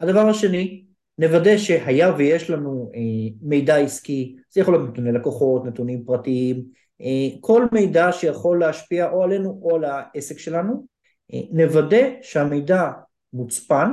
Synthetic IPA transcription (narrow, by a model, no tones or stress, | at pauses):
had̪avaʁaʃe̞ni | ne̞vade̞ʃe̞hajavejeʃlanueme̞jdaiskiz̥ejaχoljot̪net̪unelakoχo̞t̪net̪unimpʁatiim | ʔekʰo̞lme̞jdaʃejaχo̞lːeaʃpiaʔo̞ale̞nuʔo̞alaese̞kʃe̞lanu | ʔḛne̞vade̞ʃeame̞jda | mut͡span